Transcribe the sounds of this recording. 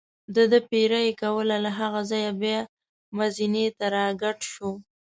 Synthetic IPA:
d̪əd̪əpeɾajekawəlalaɦaɣazɑjabjɑ | mazinet̪aɾɑɡaʈʃu

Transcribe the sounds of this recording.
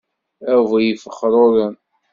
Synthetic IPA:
ævæjəfəχːɾˤʊɾən

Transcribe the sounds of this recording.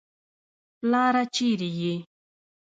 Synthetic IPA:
plaːɾat͡ʃiɾije

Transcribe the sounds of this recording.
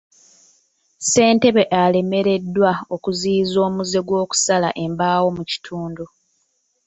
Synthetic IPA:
se̞ːnte̞βe̞ʔale̞me̞ɾe̞dːwao̞kuziːzo̞ːmuze̞ɡwo̞ːku̥sala̰ʔe̞mbaːwo̞muci̥tʰuːndu

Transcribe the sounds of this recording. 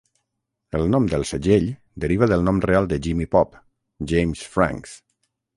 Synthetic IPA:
əlˠnɔmd̪əlˠsəʒeʎ | d̪əɾiβ̞əðəlˠnɔmrealˠd̪əʒimipɔp | ʒejmsfɾa̰ŋks

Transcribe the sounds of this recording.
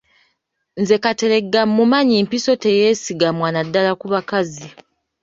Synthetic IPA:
nze̞kate̞ɾe̞ɡːamːumaɲimpiso̞tejeːsiɡamwaːnadːalakuβakazi

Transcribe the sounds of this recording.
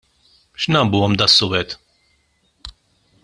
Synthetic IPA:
ʃnɐmbuːɔmd̪ɐsːʊːwɛt̪

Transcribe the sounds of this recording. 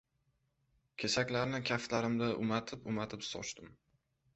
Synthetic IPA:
kʲʰesakʲlaɾnɪkʲʰaflaɾɪmd̪aʔʊmat̪ʰɪpʊmat̪ʰɪpsɒ̰t͡ʃt̪ɪm

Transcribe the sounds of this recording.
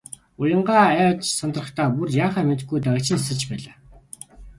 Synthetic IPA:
ʊjə̆ɴɢaːæːt͡ɕsɔnt̪rə̆χt̪ʰaːpurjaːχaːmet̪ɡujt̪aɣʲə̆t͡ɕʰɪ̆nsə̆t͡ɕpæːɮaː

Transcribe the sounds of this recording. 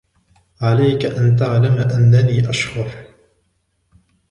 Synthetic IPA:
ʕalajkaʔant̪aʕlamʔanːaniːʔaʃhʊɾˤ

